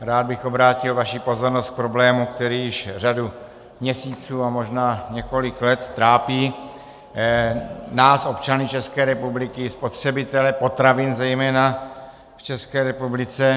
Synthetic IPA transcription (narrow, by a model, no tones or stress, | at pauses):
ɾaːd̪̚bɪxo̞bɾaːcɪlvaʃipo̞zo̞ɾnost̪k̚pɾo̞blɛːmukt̪ɛɾiːjɪʃradu | mɲɛsiːt͡suːamo̞ʒnaːɲɛko̞lɪklɛt̪ːɾaːpiː | naːsʔo̞pt͡ʃanɪt͡ʃɛskɛːɾɛpublɪkɪspo̞t̪r̝̥ɛbɪt̪ɛlɛpo̞t̪ɾavɪnzɛjmɛːna | ft͡ʃɛskɛːɾɛpublɪt͡sɛ